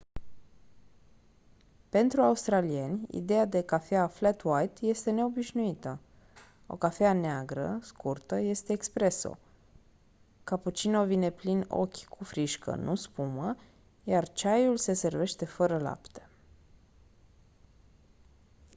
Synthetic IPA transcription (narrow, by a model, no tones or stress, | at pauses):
pe̞nt̪ɾuaust̪ɾalie̞nʲḭd̪e̞jad̪e̞kafeaflat̪wajt̪je̞st̪e̞ne̞o̞biʃnuit̪ə | o̞̰kafeaneaɡɾə̰skurt̪əje̞st̪e̞ːkspɾe̞so̰ | kaput͡ʃino̞vine̞plino̞̰kʲkʰufɾiʃkə̰nʔuspumə | jart͡ʃajulse̞se̞rve̞ʃt̪e̞fəɾəla̰pt̪e̞̥